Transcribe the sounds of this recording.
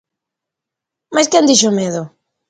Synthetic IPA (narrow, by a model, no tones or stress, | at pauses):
maskɛnd̪iʃomeðʊ